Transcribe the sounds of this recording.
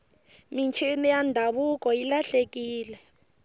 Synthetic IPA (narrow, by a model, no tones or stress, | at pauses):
mint͡ʃʰinijandʱaɓuk̬ʼɔilaɬek̬ʼiːlɛ